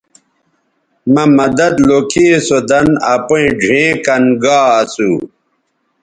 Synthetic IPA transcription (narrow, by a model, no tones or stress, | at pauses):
mɐmɐd̪ɐd̪lokʰisod̪ɐnɐpoĩɖʱẽːkɐnɡaːɐsu